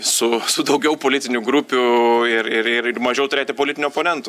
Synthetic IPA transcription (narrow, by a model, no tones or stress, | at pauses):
sʊsʊd̪ɐʊɡʲɛʊpoːlʲɪt̪ʲɪnʲʊɡɾupʲʊɪɾɪɾɪrɪrmɐʒʲɛʊt̪ʊɾʲeːt̪ʲɪpoːlʲɪt̪ʲɪnʲʊɔpoːnʲɛnt̪ʊ